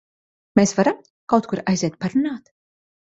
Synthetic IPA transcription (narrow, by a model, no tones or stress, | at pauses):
mʲeːsvaɾam | kawt̪kuɾajzʲɛːt̪̚paɾunaːt̪